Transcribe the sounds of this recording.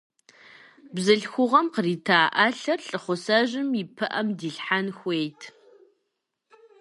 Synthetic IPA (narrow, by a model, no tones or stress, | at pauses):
bzɨɬxʷʊʁɐmqəriːtʰaːʔaɬɐrɬʼɨχʷʊsɐʒɪmipʰɨʔɐmdiːɬħanxʷejtʰ